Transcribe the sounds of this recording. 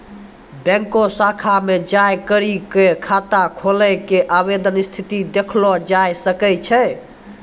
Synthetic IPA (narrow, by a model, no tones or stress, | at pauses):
bɛ̃ŋkosakʰamed͡ʒajkəɾikekʰat̪akʰoləkeʔaβed̪ənist̪ʰit̪id̪ekʰlɔd͡ʒajsəkɛt͡ʃʰɛ